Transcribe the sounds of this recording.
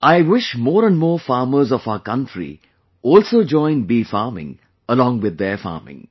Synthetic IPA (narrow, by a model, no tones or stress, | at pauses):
aɪʋɪʃmɔːɾə̃nɖmoːfaːməɾzɔfaʊəkʌ̃nʈɾḭ | ɔːlsoːd͡ʒɔ̃ɪ̃nɖbiːfaːmɪ̰̃ŋ | əlɔ̃ːŋʋɪd̪ːefa̰ːmɪ̰̃ŋ